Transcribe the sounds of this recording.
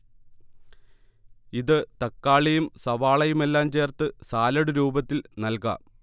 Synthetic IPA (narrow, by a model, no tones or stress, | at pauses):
iðɨt̪ɐkːaːɭijumsɐʋaːɭɐjume̞lːaːmt͡ɕe̞ːrt̪ɨsaːlɐɽuɾuːbɐt̪ːilnɐlkɐ̰